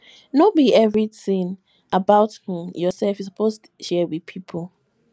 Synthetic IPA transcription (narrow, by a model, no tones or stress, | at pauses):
nobiɛvɹiθĩn | ʔabaʊthũmjɔsɛlfis̬əpʰostu̥ʃɛwið̥pʰipʰolˠ